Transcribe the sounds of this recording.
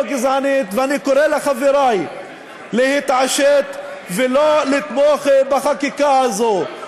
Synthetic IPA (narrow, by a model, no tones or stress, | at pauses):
ɡizʕanit̪veanikoʁelaχaviɾaj | lehit̪ʕaʃet̪velolit̪moχbaχakikahazo